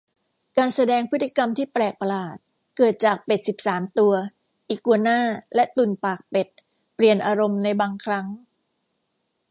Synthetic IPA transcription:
kaː˧nsa˧dɛː˧ŋpʰɯ˦˥t̪̚ʰːi˧ka˧mt̪ʰiː˥˩plɛː˨˩k̚pa˧laː˨˩t̪̚ | kɤː˨˩t̪̚t͡ɕaː˨˩k̚pe˨˩t̪̚si˨˩p̚saː˩˦mt̪u˧ɐ | ʔiː˨˩kːu˧ənaː˥˩lɛ˦˥ʔt̪uː˨˩npaː˨˩k̚pe˨˩t̪̚ | pli˨˩ənʔaː˧ɾo˧mna˧jbaː˧ŋkʰɾa˦˥ŋ

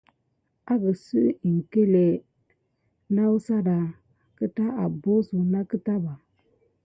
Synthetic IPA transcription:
a˦ɡə˨sɨ˦ʔi˨ŋ̩˨ke˦le˨ | na˦wu˦sa˦da˨ | kɨ˦ta˦ʔa˨bo˦su˨na˦kɨ˦ta˦ba˨

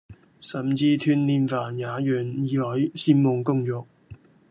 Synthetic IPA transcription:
sɐ˨˩mt͡siː˧t̪ʰyː˧nniː˧nfaː˨˩njaː˨˧jœː˨˩njiː˨hɔ˨˥jsiː˥mːʊ˧ŋkʊ˥ŋt͡ʃɔː˨˧k̚

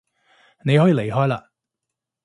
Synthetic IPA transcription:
ne˨˧jhɔː˨˥jiː˨˧le˨˩jɦɔː˥jla̰ː˧

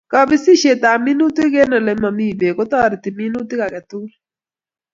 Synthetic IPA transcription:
kɔ˨bi˦si˦ʃe˨t̪a˨mi˦nu˦t̪i˦ɡe˦nɔ˨lɛ˨ma˨mi˦˨be˨kɔ˦t̪ɔ˦˨ɾɪ˨t̪i˨mi˦nu˦t̪i˦ka˨kɛ˨t̪u˦l

